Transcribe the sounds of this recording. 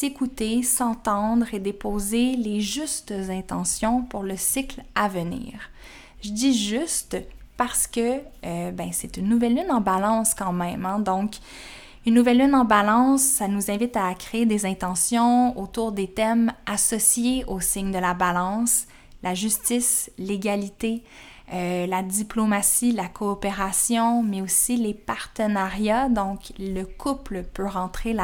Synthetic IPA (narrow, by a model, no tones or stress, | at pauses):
sekut̪esɑ̃t̪ɑ̃d̪ʁed̪epoːzeleʒyst̪zɛ̃t̪ɑ̃sjɔ̃puʁləsiklavənḭːʁ | ʒəd̪iʒyst̪paʁsə̥kəøbɛ̃sɛt̪ynːuvɛlːynɑ̃balɑ̃skɑ̃mɛ̃mɛ̃d̪ɔ̃k | ynːuvɛlːynɑ̃balɑ̃sːanuzɛ̃vɪt̪akχeed̪ezɛ̃t̪ɑ̃sjɔ̃ot̪uːʁd̪et̪ɛmasɔsjeosɪɲd̪əlabalɑ̃ːs | laʒyst̪isleɡʲalit̪e | ølad̪iplomasilakʰɔːpeʁasjɔ̃mɛosilepaʁt̪ənaʁjad̪ɔ̃kləkʰupləpøʁɑ̃t̪χela